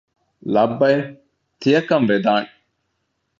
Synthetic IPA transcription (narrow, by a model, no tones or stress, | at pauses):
lɐbːɐj | t̪ijɐkɐmʋed̪aːŋ